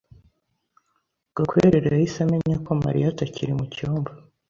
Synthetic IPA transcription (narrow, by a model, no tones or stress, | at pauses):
ɡ̥akweɾeɾeɾajisameɲakoma̰ɾḭjataciɾimucioːmba